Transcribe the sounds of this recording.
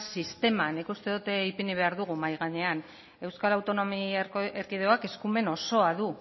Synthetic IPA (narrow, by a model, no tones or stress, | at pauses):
sist̪e̞manikust̪e̞ðut̪eipiniβe̞aɾðuɣ̞umajɣaɲe̞an | e̞wskalawt̪o̞no̞mierkið̞e̞oake̞skume̞no̞so̞aðu